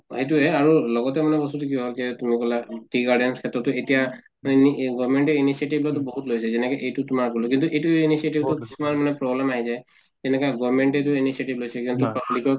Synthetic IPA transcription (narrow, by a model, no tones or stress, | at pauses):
hejt̬uɦɛaɹulɔɡɔtɛmanɛbɔstutukiɦɔlkɛtumikɔlaʈɹiɡaɹɖɛnskʰɛtɔtːuetija | aniɡɔbmɛɳʈɛinisieʈibʱlɔtɔbɔɦutlojsɛzɛnɛkaʔejtutumaɹkɔlɔk̬intuʔejtuinisietibtukisumaɹmanɛpɹɔblɛmaɦizaj | zɛnɛkaɡɔmɛɳʈɛt̬uinisieʈiblojsɛkizɔntupablikɔɹ